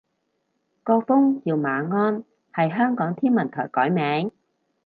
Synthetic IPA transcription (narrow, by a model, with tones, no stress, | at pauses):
kɔː˧fʊ˥ŋjiː˨˧wmaː˨˧ŋɔː˧n | hɐ˨˩jɦœː˥ŋkɔː˨˥ŋt̪ʰiː˥nmɐ˨˩nt̪ʰɔ̰ː˨˩jkɔː˨˥jmɛː˨˥ŋ